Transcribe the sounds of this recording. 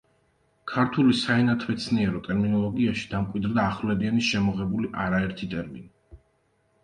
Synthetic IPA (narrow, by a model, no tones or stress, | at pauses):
kʰaɾt̪ʰulisaɛnat̪ʰwɛt̪sʰniɛɾɔt̪ʼɛɾminɔlˠɔɡiaʃi̥d̪amkʼwid̪ɾd̪aːχvlɛd̪ianisʃɛmɔʁɛbuliʔaɾaɛɾt̪ʰit̪ʼɛɾmḭni